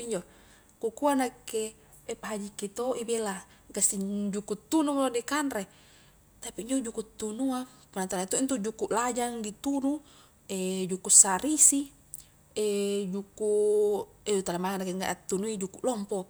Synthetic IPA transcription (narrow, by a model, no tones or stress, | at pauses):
iɲd͡ʒo | kukuanakeː | paɦad͡ʒiket̪oʔibela | ɡasid͡ʒukut̪ːunulodekanɾe | t̪apiːɲd͡ʒod͡ʒukut̪ːunua | punat̪anait̪oʔint̪̬ud͡ʒukuʔlad͡ʒaŋdit̪unu | ed͡ʒukusaɾisi | ed͡ʒuku | eut̪alamaŋanakeŋa̰ʔat̪ːunuid͡ʒukuʔlɔmpo